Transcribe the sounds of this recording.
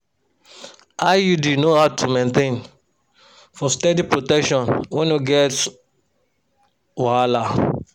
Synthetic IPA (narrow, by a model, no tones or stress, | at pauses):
ajudinohaʊtʰumẽntẽn | fɔstɛdipɹotɛkʃɔ̃nwɛ̃njuɡɛt | waala